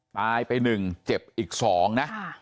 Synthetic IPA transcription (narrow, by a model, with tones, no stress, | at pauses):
t̪aː˧jpa˧jnɯ˨˩ŋt͡ɕe˨˩p̚ʔiː˨˩k̚sɔː˩˦ŋna˦˥ʔ